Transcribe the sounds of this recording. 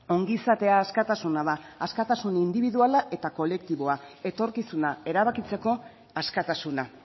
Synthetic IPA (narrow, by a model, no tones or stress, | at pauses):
o̞ŋɡiːsat̪e̞aːskat̪asunaðaːskat̪asunind̪iβiðualaʔe̞t̪ako̞le̞k̚t̪iβo̞ae̞t̪o̞ɾkisunae̞ɾaβakit͡se̞ko̞ | askat̪asuna